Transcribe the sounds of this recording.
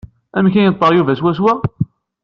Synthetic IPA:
æmçæjət̪ˤːəʁjuvæswæs̬wæ

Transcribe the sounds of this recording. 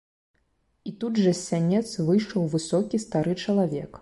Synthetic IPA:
it̪udʐɐsʲːanʲɛt̪svɨjʂɔwvɨsɔkʲist̪aɾɨt͡ʂɐlˠavʲɛ̰k

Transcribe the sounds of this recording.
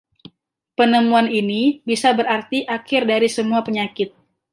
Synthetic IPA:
pənəmuaninibisabəɾart̪iʔakɪrdaɾisəmuapəɲakɪt̪̚

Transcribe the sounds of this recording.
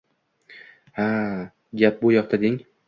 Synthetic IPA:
ha | ɡʲap̚bojɒq̚t̪ʰad̪ɪŋ

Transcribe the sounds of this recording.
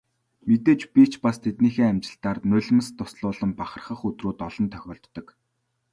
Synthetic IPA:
met̪eːt͡ɕpit͡ɕpast̪ʰet̪niːxeːamt͡ɕɪ̆ɬt̪aːrnʊɮ̆mə̆st̪ʊsɮʊːɮə̆mpaχə̆rχə̆χɵt̪ruːt̪ɔɮɞ̆nt̪ʰœ̥xʲɔːɬt̪ːɞ̆k

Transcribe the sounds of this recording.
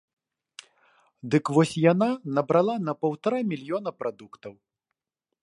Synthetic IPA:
d̪ɨkvɔsʲjananɐbɾalˠanɐpɐwt̪aɾamʲilʲjɔnɐpɾʔad̪ukt̪ɐw

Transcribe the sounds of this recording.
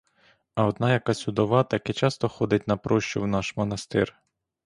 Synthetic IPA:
ɐɔd̪nɑjɐkɑsʲʊd̪ɔʋɑt̪ɐkɛt͡ʃɑst̪ɔxɔd̪ɪtʲnɐpɾɔʃt͡ʃʊwnɑʃmɔnɐst̪ɪ̰r

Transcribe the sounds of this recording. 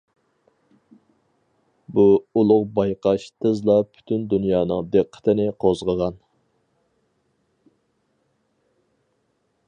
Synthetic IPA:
buulˠʊqbɑjqʰɑʃt̪ʰəzlˠɑpʰy̥t̪ʰynd̪unjɑːnɨ̰ŋd̪eqʰːə̥t̪ʰɨnɪqʰozʁəʁɑn

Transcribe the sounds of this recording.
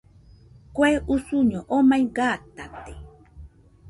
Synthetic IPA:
kweʔusuɲoʔomajɢaːt̪at̪e̥

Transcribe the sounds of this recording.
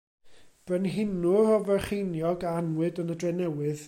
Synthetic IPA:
b̥ənɦɪnʊɔvɛχejnjɔɡaanwɨdənədrɛnɛwɨð

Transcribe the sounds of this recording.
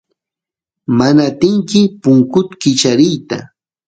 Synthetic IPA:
manat̪ɪŋkɪpʊŋkʊt̪kɪt͡ʃaɾɪjt̪a

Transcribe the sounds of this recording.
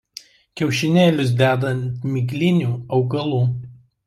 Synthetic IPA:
kʲɛʊʃʲɪnʲeːlʲʊs̬d̪ʲæːd̪ɐnʲt̪mʲɪɡʲlʲɪnʲuːɐʊɡɐlˠuː

